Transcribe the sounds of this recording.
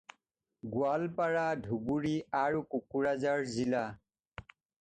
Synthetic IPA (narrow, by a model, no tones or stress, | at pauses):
ɡualpaɹadʱubuɹiaɹukukuɹazaɹzila